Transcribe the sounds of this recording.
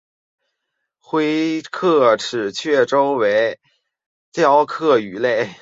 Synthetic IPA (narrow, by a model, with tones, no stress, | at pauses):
xwe˥ɪkʰɤ˥˩ʈ͡ʂʰɻ̩˨˩t͡ɕʰɥɛ˥˩ʈ͡ʂo˥ʊwe˧˥ɪ | t̪jɑ˥˧ʊkʰɤ˥˩y˨˧˩le˥˩ɪ